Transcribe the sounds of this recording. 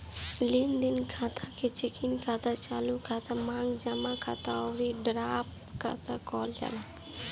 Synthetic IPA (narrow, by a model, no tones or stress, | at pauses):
lind̪ɪnkʰaːt̪ʰaket͡ʃɪkɪnkʰaːt̪at͡ʃaːlukʰat̪ʰamãːŋɡd͡ʒəmakʰa̰ːt̪aɔɾiɖɾaːp | ka̰t̪ʰakɔːld͡ʒa̰la